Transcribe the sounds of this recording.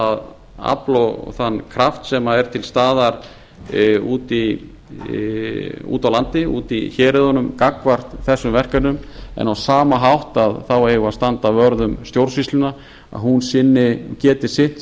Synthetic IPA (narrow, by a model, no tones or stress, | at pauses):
að | a̰plɔθanːkʰɾaft̪sɛmaɛɾ̥t̪ʰɪlst̪aːðaɾ | uːt̪i | ṵːt̪awlant̪ɪṵːt̪içɛːɾɪðɔnʏmkakvar̥t̪θɛsːʏmvɛr̥kanʏmɛ̰nawsaːmaɦawht̪aðθawejɣʏast̪ant̪avœɾðʏmst̪jowɾsist̪lʏna | a̰ðɦunsɪnːɪcɛːt̪ɪ̥sɪht̪